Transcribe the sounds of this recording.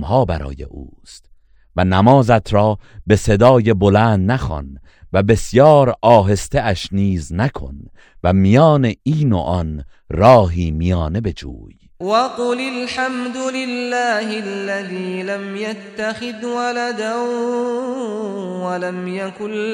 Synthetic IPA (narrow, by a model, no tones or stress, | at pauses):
mɦɒːbæɾɒ̰ːje̞̰ʔṵːst̪ | vænæmɒːzæt̪ʰɾɒːbese̞d̪ɒːje̞bolæːnd̪næxɒ̰n | væbe̞sjɒːɾɒːɦe̞st̪eæʃniːznækʰo̞̰n | væmijɒːneiːno̰ʔɒn | ɾɒːɦiːmijɒːne̞be̞d͡ʒṵːj | wɑqʊlɪlħamd̪ʊlɪlːaːhɪlːaðiːlamjat̪ːaxɪd̪walad̪ah | walamjakʊ